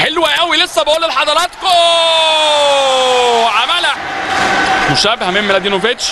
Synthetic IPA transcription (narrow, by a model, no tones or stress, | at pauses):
ħelwæʔæwilesːæbeʔuːlːelħɑd̪ˤɑɾˤɑːt̪ko | ʕamælæ | moʃæbehæmemːelæd̪inovet̪ʃ